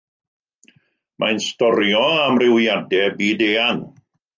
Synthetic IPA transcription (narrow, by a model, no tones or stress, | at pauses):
mʔajnstɔɾjɔamrɪwjadɛbiːdeːan